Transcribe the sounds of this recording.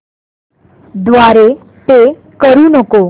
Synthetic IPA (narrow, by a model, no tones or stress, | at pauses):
d̪ʋaɾe | t̪e | kəɾuːnəko